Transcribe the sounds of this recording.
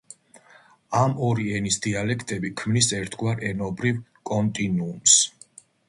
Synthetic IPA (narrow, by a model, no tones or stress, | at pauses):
amɔɾiɛnisd̪ialɛkʰt̪ʼɛbikʰmnisɛɾt̪ʰɡwaɾɛnɔbɾivkʼɔnt̪ʼinuːms